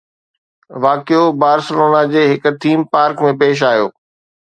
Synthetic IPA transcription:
ʋaːkijobaːɾsɪloːnad͡ʑeːɦɪkʊ̆t̪ʰiːmpaːɾkmẽpeːʃ̬aːjo̰ː

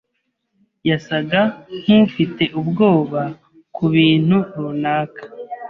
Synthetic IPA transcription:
jasaɡan̥ifite̞ʔubɡo̞ːβa | kuβiːn̥huɾunaːkḁ

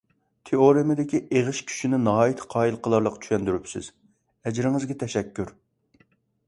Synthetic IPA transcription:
t̪ʰeoɾɨmɪd̪ɪkʲiʔeʁɨʃkʲʰy̥ʃinɪnɑɦɑːjit̪ʰqʰɑːilˠqʰəlˠɑɾlˠəqt͡ʃʰy̥ʃɛnd̪yɾypsɪ̰z̥ | ɛd͡ʒɾɪŋɨzɡʲɛt̪ʰɛʃɛkʲʰːyɾ

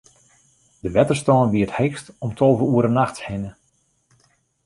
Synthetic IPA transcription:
dəʋɛtərstɔːnʋiəthejkstɔmtʰɔlˠvəuəɾənaxtshɪnə

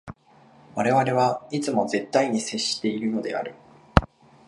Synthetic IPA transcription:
βaɾe̞βaɾe̞βait͡sɨmo̞ze̞t̪ːaiɲ̟ise̞ɕːi̥t̪e̞iɾɯ̟j̪o̞d̪e̞a̰ɾɯ̟

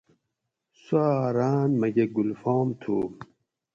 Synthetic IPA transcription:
suaɾaːnmɐɡeɡulfɔːmt̪ʰuːm

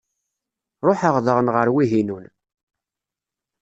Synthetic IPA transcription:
ɾˤoħəʁðəʁənʁəɾwiɦinun

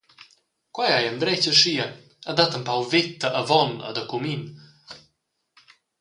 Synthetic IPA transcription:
kwajajənd̪ɾɛcəʃiə | əd̪at̪əmpawvit̪ːəʔəvɔnə̰d̪əkumin

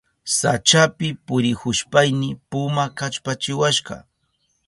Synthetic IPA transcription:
sat͡ʃapɪpʊɾɪhʊʃpajnɪpʊmakat͡ʃpat͡ʃɪwaʃɢɑ̰

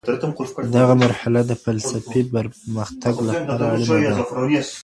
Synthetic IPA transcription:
t̪md̪aɣamaɾhalad̪əfalsafibəɾməxt̪aɡlapɑɾaalumad̪ad

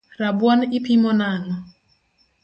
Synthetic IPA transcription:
ɾabwɔnɪpimɔnanɔ

